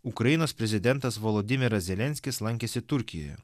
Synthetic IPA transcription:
ʊkɾɐjɪnoːspʲɾʲɛzʲɪd̪ʲɛnt̪ɐsʋolˠod̪ʲɪmʲɪɾɐsʲzʲɛlʲɛnʲsʲkʲɪslˠɐŋʲkʲɛːsʲɪt̪ʊɾʲkʲɪjo̰jɛ

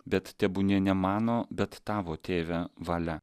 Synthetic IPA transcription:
bʲɛt̪t̪ʲɛbʊnʲeːnʲɛmɑːnoːbʲɛt̪ːɑːʋoːt̪ʲeːʋʲæʋɐlʲɛ

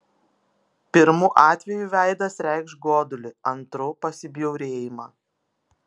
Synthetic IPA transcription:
pʲɪɾmuːʔɑːt̪ʲʋʲɛjuʋʲæˑɪd̪ɐsɾʲæɪkʃɡoːd̪ʊlʲɪɐnt̪ɾoːpɐsʲɪbʲjɛʊɾʲeːjɪmɑː

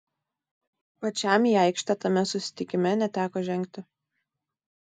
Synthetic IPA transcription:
pɐt͡ʃʲæˑmiːɛˑɪkʃʲt̪ʲɛt̪ɐmʲɛsʊsʲɪ̥t̪ʲɪkʲɪmʲɛnʲɛt̪ʲæːkoːʒʲɛŋʲk̚ʲt̪ʲɪ

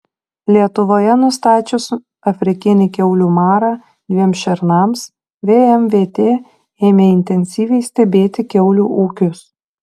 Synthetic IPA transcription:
lʲiɛt̪ʊʋoːjɛnʊst̪ɑːt͡ʃʲʊs | ɐfʲɾʲɪkʲɪnʲɪkʲɛʊlʲuːmɑːɾɑː | d̪ʲʋʲiɛmsʃʲɛɾnɐms | ʋʲeːɛmʋʲeːt̪ʲeː | eːmʲeɪnʲt̪ʲɛnʲsʲiːʋʲɛɪsʲt̪ʲɛbʲeːt̪ʲɪkʲɛʊlʲuːʔuːkʲʊs

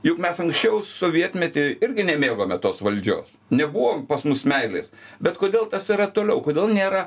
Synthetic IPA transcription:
jʊkmʲɛsɐŋksʲt͡ʃʲɛʊsoːʋʲiɛt̪ʲmʲɛt̪ʲeɪɾʲɡʲɪnʲɛmʲeːɡoːmʲɛt̪oːsʋɐlʲd͡ʒʲo̰ːs | nʲɛbuʋoːmpɐsmʊsmʲɛɪlʲḛːsbʲɛt̪koːd̪ʲeːlˠt̪ɐsiɾɐt̪oːlʲɛʊkoːd̪ʲeːlˠnʲeːɾɐ

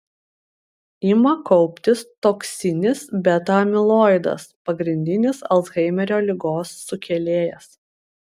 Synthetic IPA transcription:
ɪmɐkɔʊpʲt̪ʲɪst̪oːksʲɪnʲɪsbʲɛt̪ɐmʲɪlˠoːɪd̪ɐ̰spɐɡɾʲɪnʲd̪ʲɪnʲɪsɐ̰lˠzɣɐɪmʲɛɾʲoːlʲɪɡoːsːʊkʲɛlʲeːjɛs

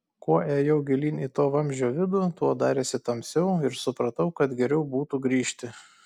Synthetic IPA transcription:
kuɔeːjɛʊɡʲɪlʲiːnʲɪt̪oːʋɐmʲʒʲoːʋʲɪd̪ʊt̪uɔd̪ɑːɾʲeːsʲɪt̪ɐmʲsʲɛʊɪɾsʊpɾɐt̪ɐʊkɐt̪ɡʲɛɾʲɛʊbuːt̪uːɡɾʲiːʃʲt̪ʲɪ

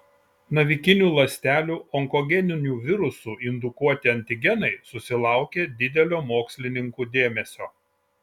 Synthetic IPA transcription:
nɐʋʲɪkʲɪnʲuːlˠɐsʲt̪ʲæːlʲuːɔŋkɔɡʲɛnʲɪnʲuːʋʲɪɾʊsuːɪnd̪ʊkuɔt̪ʲɪɐnʲt̪ʲɪɡʲɛnɐɪsʊsʲɪlˠɑˑʊkʲeːd̪ʲɪd̪ʲɛlʲoːmoːksʲlʲɪnʲɪŋkuːd̪ʲeːmʲɛsʲoː

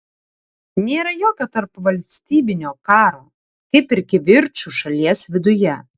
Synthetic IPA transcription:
nʲeːɾɐjoːkʲoːt̪ɐɾpʋɐlʲsʲt̪ʲiːbʲɪnʲoːkɑːɾoː | kʲɐɪpɪɾʲkʲɪʋʲɪɾʲt͡ʃuʃɐlʲiɛsʋʲɪd̪ʊjɛ

